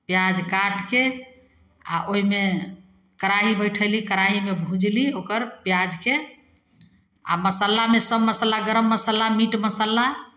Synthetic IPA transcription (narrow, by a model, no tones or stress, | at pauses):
pjad͡ʒkaʈke | a̰ʔoɦime | kəɾaɦibəjʈʰəlikəɾaɦimebʱud͡ʒliokəɾpjad͡ʒke | a̰məsəlamesəbːəsəlaɡəɾəmːəsəlamiʈməsəlːa